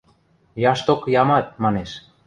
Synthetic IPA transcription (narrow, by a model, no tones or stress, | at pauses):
jɑʃt̪okjɑmɑt̪̚mɑneʃ